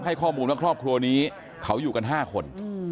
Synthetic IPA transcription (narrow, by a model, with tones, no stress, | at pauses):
ɦa˥˩jkʰɔː˥˩muː˧nwa˥˩kʰɾɔː˥˩p̚kʰɾu˧ɐniː˦˥ | kʰa˦˥wjuː˨˩ka˧nɦaː˥˩kʰo˧n